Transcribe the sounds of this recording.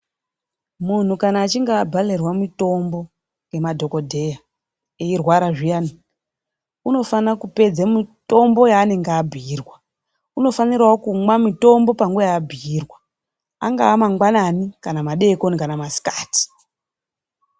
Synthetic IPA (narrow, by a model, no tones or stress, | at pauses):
mun̤ukanaːt͡ʃiŋɡabʱale̞rwamito̞mbo̞ | ŋɡe̞madʱo̞ko̞dʱe̞ja | eirwaɾaʐijani | uno̞fanakupe̞d͡zamito̞mbo̞jaːne̞ŋɡeːbʱiːrwa | uno̞fanirwaokumwamito̞mbo̞paŋɡuʋajaːbʱiirwa | aŋɡaːmaŋɡwananikanamaɗe̞konikanamasi̥kḁːti̥